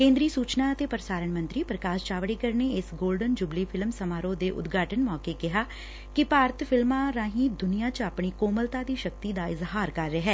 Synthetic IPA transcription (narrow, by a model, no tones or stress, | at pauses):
kẽːnd̪ɾiːsuːt͡ʃnaːət̪eːpəɾəsaːɾəɳmə̃nt̪ɾiːpɾəkaːst͡ʃaːʋɽiːkəɾneːɪsɡoːlɖənd͡ʒʊbliːpʰɪlmsəmaːɾõːd̪eːʔʊ̰d̪ɡaːʈənmɔːkeːkɪɦaː | kɪpaːɾət̪pʰɪlmãːɾãːɦĩːd̪ʊnijaːt͡ʃapɳ̃iːkoːməlt̪aːd̪iːʃək̚t̪iːd̪aːɪzɦaːɾkəɾːeɦɛː